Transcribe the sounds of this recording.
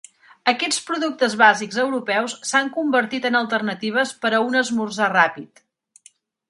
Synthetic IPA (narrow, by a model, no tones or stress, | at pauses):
əkɛt͡spɾuðuk̚t̪əzβaziɡzəwɾupɛwssaŋkumbəɾt̪it̪ənəlˠt̪ərnət̪iβ̞əspəɾəunəzmurzarapit̪